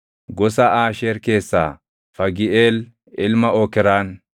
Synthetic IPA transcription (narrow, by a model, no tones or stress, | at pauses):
ɡɔsaʔaːʃeːɾke̞ːsːa̰ː | fɐɡɪʔeːl | ʔɪlmɐokɛɾaːn